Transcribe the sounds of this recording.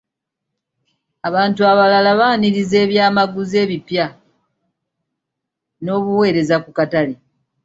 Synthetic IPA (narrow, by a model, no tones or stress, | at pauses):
aβaːntuaβalalaβaːniɾize̞ːβjaːmaɡuze̞ːβipja | no̞ːβuwe̞ːɾe̞zakukatali